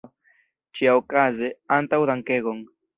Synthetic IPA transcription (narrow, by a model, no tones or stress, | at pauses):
t͡ʃiawkazeant̪awðaŋkeɣoŋ